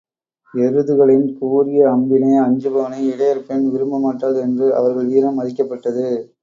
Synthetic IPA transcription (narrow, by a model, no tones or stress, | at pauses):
ɛɾɯðɯɣɐɭɪnkuːɾɪjɐɐmbɪnɐɪɐɲd͡ʒɯbɐʋɐnɐɪɪɽɐjɐɾpːenʋɪɾɯmbɐmaːʈːaːlɛndrɯʔɐ̰ʋɐɾɣɐɭʋiːɾɐmːɐðɪkːɐpːɐʈːɐðɯ